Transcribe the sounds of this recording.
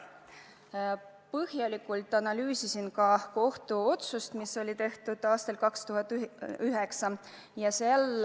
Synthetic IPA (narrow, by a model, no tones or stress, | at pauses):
pɤhjɑlikːˑult̪ːˑɑnɑlyːsisinkɑko̞ht̪uo̞t̪sust̪miso̞lʲit̪e̞ht̪ud̪̥ɑːst̪elkɑkst̪uɦɑt̪ːˑyɦe̞ksɑ | jɑsel